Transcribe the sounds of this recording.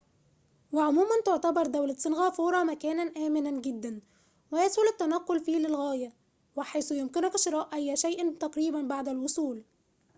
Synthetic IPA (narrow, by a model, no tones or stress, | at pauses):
wɪʕomuːmænt̪oʕt̪ɑbɑɾˤd̪æwlæsːɪnɣæːfoːɾˤɑmækæːnænʔæːmɪnænɡɪd̪ːæn | wɪjæswʊlɪt̪ːænæqːolfiːlɪlɣæːjæ | wɪħajsʊjʊmkɪnʊfɪʃɪɾˤɑːʔʔæjːæʃæjʔɪt̪ɑqɾiːbænbaʕd̪ælwʊsˤuːl